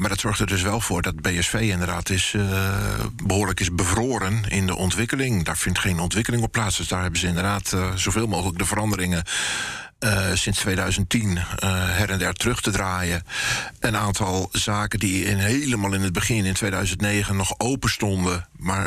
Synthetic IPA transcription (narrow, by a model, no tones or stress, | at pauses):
maɹdɔtsɔɹxtərdɵs̬ʋɛlˠv̥ʊːɹdɔt̚beɛsfeːɪndərdaːtɪs | bəɦoːrləkɪsbəvroːɾənɪndə̰ʔɔntʋɪkəlɪŋdaːɹfɪntχeːnɔntʋɪkəlˠɪŋɔpːlaːsdøsdaːɹɦɛbəzəɪndərdaːtz̥owveːlˠmoːxələk̚dəvəɾɑndəɾɪŋə | sɪnstʋeːdœɥzəntinɦɛɾɛndɛɹtrøxtədraːjəʔənaːntʰɑlˠzaːkədiɪnɦeləmalˠɪnəd̚bəχɪnɪntʰʋeːdœɥzəntneːɣənːɔxowpəstɔndəmaɹ